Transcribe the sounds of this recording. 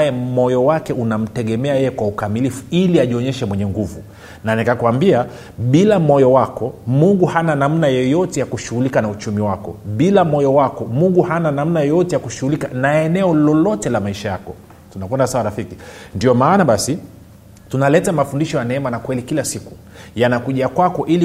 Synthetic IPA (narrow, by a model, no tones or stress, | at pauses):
ajɛmɔjɔwakɛunam̩tɛɠɛmɛajɛjɛkwaukamilifuiliaʄiɔɲɛʃɛmwɛɲɛŋɡuvu | nanikakuambia | ɓilamɔjɔwakɔmuŋɡuhananam̩najɔjɔtɛjakuʃuhulikanaut͡ʃumiwakɔ̰ɓilamɔjɔwakɔmuŋɡuhananam̩najɔjɔtɛjakuʃuhulikanaɛnɛɔlɔlɔtɛlamaiʃajakɔ | tunakwɛndasawaɾafikindiɔmaːnaɓasi | tunalɛtamafundiʃɔjanɛɛmanakwɛlikilasiku | janakuʄakwakɔʔili